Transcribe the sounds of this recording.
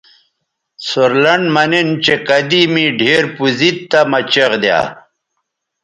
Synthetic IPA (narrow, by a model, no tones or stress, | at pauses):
suɾlɐɳmɐnint͡ɕekɐd̪imiɖʱeːɾpuzit̪ːamɐt͡ɕɐʁd̪ja̰ː